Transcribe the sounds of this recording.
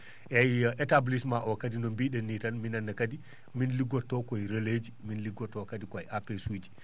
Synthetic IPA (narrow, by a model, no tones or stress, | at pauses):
ʔɛjʔɛtablismaʔɔkadinɔmbiɗɛnːitanminanːakadi | minliɡɔtːɔkɔjɾeled͡ʒiminliɡɔtːɔkadikɔajʔapesud͡ʒi̥